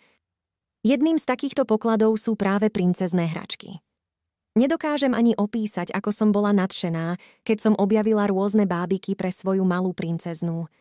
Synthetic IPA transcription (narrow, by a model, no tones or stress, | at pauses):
jɛd̪niːmst̪akiːxt̪ɔpɔklad̪ɔʊsuːpɾaːʋɛpɾint͡sɛznɛːɦɾa̰t͡ʃkḭ | ɲɛd̪ɔkaːʒɛmʔaɲiʔɔpiːsaɟakɔsɔmbɔlanat̪ʃɛnaː | kɛcsɔmʔɔbjaʋilaɾʊɔznɛbaːbikipɾɛsʋɔjumalˠuːpɾint͡sɛznu